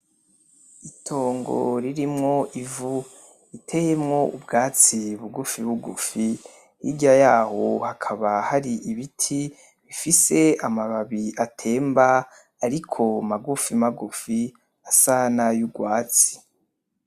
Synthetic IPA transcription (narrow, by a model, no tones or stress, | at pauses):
itʰo̞ːŋɡo̰ɾiɾimŋo̞ʔivu | itʰejemŋo̞ubɡaːt͡siβuɡufiβuɡufi | hḭɟajaːhohakʰaβahaɾiiβitʰi | βifise̞amaβaβiʔatʰe̞ːmba | aɾikʰo̞maɡufimaɡufi | asanajuɡwaːt͡si̥